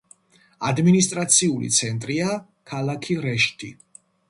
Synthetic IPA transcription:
a̰d̪minist̪ʼɾat̪sʰiulḭt̪sʰɛnt̪ʼɾia | kʰalakʰiɾɛʃt̪ʰi

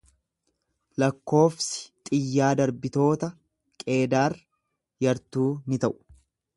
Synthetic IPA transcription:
lɐkːo̞ːfsɪ̥t̪ʼɪjːaːd̪ɐɾbɪt̪o̞ːt̪ɐ | kʼe̞ːd̪aːr | jɐɾt̪uːnɪt̪ɐʔʊ̥

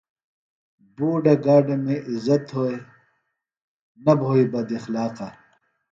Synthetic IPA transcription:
buːɖɐɡaːɖemeʔizɐt̪ɦoːe | nɐbʱoːibɐd̪ixlaːqa

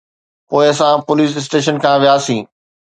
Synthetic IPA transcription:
poːɪɐsãpʊliːsɪs̬ʈeːʃ̬ənkʰãːʋijaːsĩː

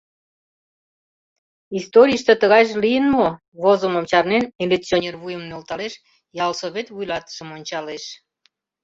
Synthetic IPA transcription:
ist̪oɾʲiəʃt̪et̪əɣɑjʒlijənmo | βozəmomt͡ɕɑrnenilʲek̚t͡sionʲerβujəmnølt̪ɑleʃ | jɑlsoβet̪vujlɑt̪ə̥ʃəmonʲt͡ɕɑleʃ

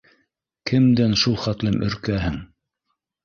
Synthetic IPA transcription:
kʰɘ̆md̪ænʃulˠχæt̪lɘmʔɵ̰̆ɾkæhɘŋ

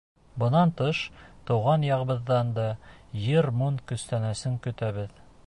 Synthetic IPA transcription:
bɤ̆nɑnt̪ɤʃt̪ɤ̆wʁɑnjɑʁɤ̆bɤ̆ðːɑnd̪ɑjɘɾmunkɵ̆st̪ænæsɘŋkɵ̆t̪æβɘð

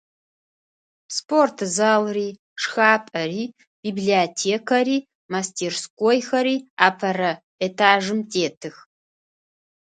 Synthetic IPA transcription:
sportʰzaːlriː | ʂxaːpʼɐɾiː | b̥iːbliatʰeːkʰɐɾiː | mastʰeːrskʷʼoːjxɐɾiːaːpʰɐɾɐ | etʰaːʒɨmtʰʼeːtʰɨx

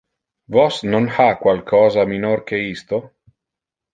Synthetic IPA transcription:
vɔsnonfakwalkʰɔːzaminorkeist̪o

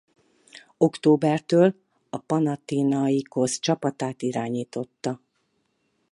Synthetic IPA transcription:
o̞kt̪oːbɛrt̪øːl | ɒpɒnɒt̪iːnɒiko̞st͡ʃɒpɒt̪aːt̪iɾaːɲiːt̪o̞t̪ːɒ

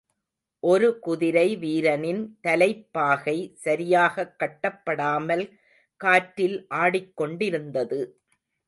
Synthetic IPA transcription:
ʔɔɾɯkʊðɪɾɐɪʋiːɾɐnɪnt̪ɐlɐɪpːaːɣɐɪsɐɾɪjaːɣɐkːɐʈːɐpːɐɽaːmɐl | kaːʈɾɪlʔaːɽɪkːɔɳɖɪɾɯnd̪ɐðɯ

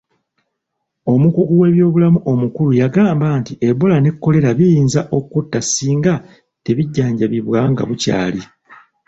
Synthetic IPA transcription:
o̞mukuɡuwe̞ːβjo̞ːβulamuʔo̞mukulujaɡaːmbaːntiʔe̞βolane̞kːo̞le̞ɾaβijiːnzaʔo̞kutːasiːŋɡa | te̞βiɟːaːɲɟaβiβwaŋɡa̰βuca̰ːli

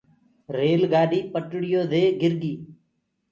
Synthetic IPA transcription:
ɾeːlɡaːɖiːpəʈɽɪjoːd̪eːɡɪɾɡiː

